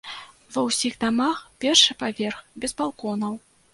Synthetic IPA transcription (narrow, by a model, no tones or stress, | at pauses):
vɐwsʲiɣd̪amaxpʲɛrʂɨpavʲɛrxbʲɛzbalˠkɔnɐw